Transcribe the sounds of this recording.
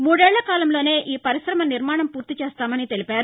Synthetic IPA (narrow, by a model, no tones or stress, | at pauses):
muːɽɛːɭːɐkaːlɐmlo̞ːne̞ːʔiːpɐɾiʃɾɐmɐniɾmaːɳɐmpuːɾt̪it͡ʃeːst̪aːmɐnit̪e̞lipaːɾu